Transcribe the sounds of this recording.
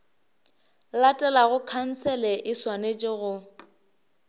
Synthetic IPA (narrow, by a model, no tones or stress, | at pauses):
latʼɛlaɣʊkʰan̩t͡sʰɛlɛʔɪswanet͡ʃʼɪɣʊ